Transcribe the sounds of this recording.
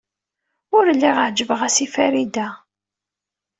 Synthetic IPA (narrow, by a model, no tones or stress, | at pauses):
ʊɾlːiʁəʕd͡ʒəvəʁæsifæɾid̪æ